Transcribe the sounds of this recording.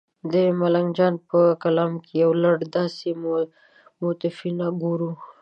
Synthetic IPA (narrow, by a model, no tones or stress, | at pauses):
d̪əmalaŋd͡ʒɑnpəkalɑmkʰejawlaɽd̪ɑsem | mot̪ɪfinaɡoɾu